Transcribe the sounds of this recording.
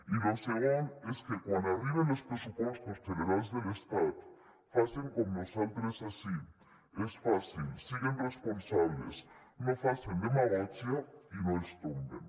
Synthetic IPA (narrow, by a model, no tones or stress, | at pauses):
iloseɣoneskekwãnd̪oaβiβenlospɾesupwest̪ost̪eleɾalezðelest̪at̪ | faseŋkomnosalt̪ɾesasi | esfasilsiɣenresponsaβlḛsnofasend̪emaɾasjainõest̪umbḛn